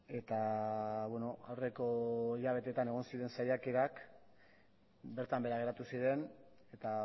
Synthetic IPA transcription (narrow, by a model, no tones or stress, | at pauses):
e̞t̪aβweno̞awre̞ko̞iʎaβ̞e̞t̪e̞t̪ane̞ɣ̞o̞nsiðe̞nsajakeɾak | be̞ɾt̪ambe̞ɾaɣe̞ɾat̪usiɾe̞n | et̪a